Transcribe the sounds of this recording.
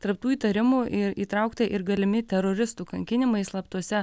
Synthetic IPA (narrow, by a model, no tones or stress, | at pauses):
t̪ɐɾp̚t̪uːiːt̪ɐɾʲɪmuʔɪɾiːt̪ɾɐʊkt̪ɐʔɪɾɡɐlʲɪmʲɪt̪ʲɛɾoːɾʲɪst̪uːkɐŋʲkʲɪnʲɪmɐɪslˠɐpt̪uɔsʲɛ